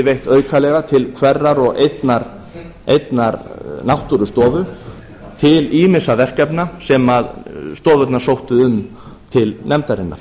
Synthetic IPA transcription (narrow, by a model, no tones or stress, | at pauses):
ɪvejht̪œːɥkʰalɛɣat̪ʰɪlkʰvɛrːaɾɔɣḛjt̪naɾ | ejt̪naɾnawht̪uɾʏst̪ɔːvʏ | t̪ʰɪliːmɪsavɛr̥kɛpnasɛmaðst̪ɔːvœt̪nḁsowht̪ʏʏm | t̪ʰɪlnɛmt̪aɾɪnːa̰ɾ̥